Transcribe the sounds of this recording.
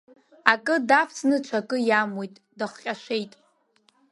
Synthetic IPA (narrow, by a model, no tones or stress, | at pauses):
akʼɨdafʰt͡sʰnɨt͡ʃʷʰakʼɨjamojtʼdaχqʲʼaʂe̞jtʼ